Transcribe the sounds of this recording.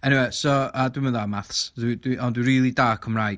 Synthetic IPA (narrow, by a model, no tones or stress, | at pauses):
ɛniwesɔadwimənðamaθsdwidwiʔɔndwiriːlˠidaːkʰəmraj